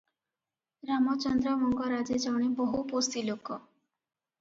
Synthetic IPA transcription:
ɾamɔt͡ʃɔnd̪ɾɔmɔŋɡɔɾad͡ʒed͡ʒawɽ̃ebɔɦupost̪ilokɔ

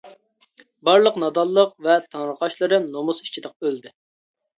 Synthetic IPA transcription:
bɑɾlˠəqnɑd̪ɑlˠːəq̚vɛt̪ʰɑŋɾəqɑʃlˠɨɾɨmnomusi̥t͡ʃʰid̪əq̚øld̪ɪ

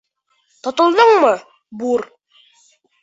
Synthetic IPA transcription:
t̪ŏt̪ŏlˠd̪ɤɴmɤ | buɾ

